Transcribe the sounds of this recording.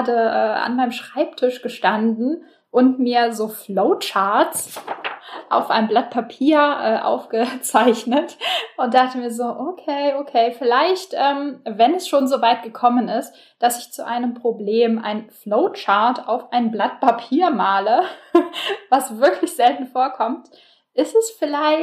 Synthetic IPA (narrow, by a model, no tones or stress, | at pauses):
aːdəʔɛːʔa̰nmaɪnəmʃʁ̥aɪptʰɪʃɡ̥əʃtandn̩ | ʔʊntmiːɐzoːfloʊt͡ʃaɐtt͡s | ʔa̰ʊfʔa̰ɪnəmblat̚pʰapʰiːɐʔɛːʔa̰ʊfɡ̥ət͡saɪçnətʔʊnt̚d̥aχtəmiːɐzoːʔokʰeːʔokʰeːfɪlaɪçtʔɛːmvɛnɛsʃoːnzoːvaɪt̚ɡ̥əkʰɔmənɪst | d̥asɪçt͡suʔa̰ɪnəmpʁ̥obleːmʔa̰ɪnfloʊt͡ʃaɐta̰ʊfʔaɪnblat̚pʰapʰiːɐmaːlə | vasv̥ɪɐklɪçz̥ɛltn̩foːɐkʰɔmt | ʔɪstɛsfɪlaɪ